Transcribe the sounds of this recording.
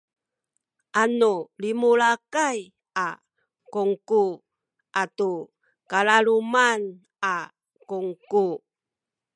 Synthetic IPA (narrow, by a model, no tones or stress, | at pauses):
ʔanulimuɭakaj | a | kuŋku | ʔatu | kalaɾuman | a | kuŋku